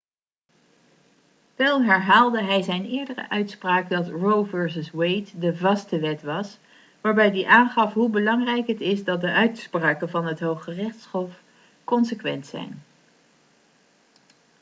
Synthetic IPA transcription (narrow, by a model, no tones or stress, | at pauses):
ʋɛlˠɦɛɹɦaːlˠdəɦɛjzɛjnɪːɹdərə̰ʔœɥtspraːkdɑtrowvɛɹsəswejtdəvɑstəʋɛtʋɑs | ʋaːɹbɛjdiʔaːnχɑfɦubəlɑŋrɛjkɦətɪzdɑt̚dəʔœɥtspraːkənvɑnɦətɦowχərɪχtsχɔf | kɔnsəkʋɛ̰ntsɛ̰jn